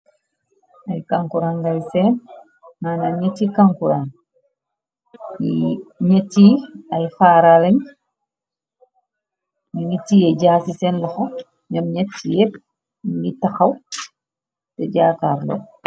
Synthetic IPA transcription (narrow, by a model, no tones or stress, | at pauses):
ɐjkaŋkuɾaŋɡajsen | nanaɲitːikaŋkuɾan | iɲɐtːiɐjfaːɾalɐɲ | miɲitːijeɟaːsisɛnlɐxo | ɲɐmɲɐtːijɛp | ŋɡitɐxɐw | tɛɟaːkaɾlo̰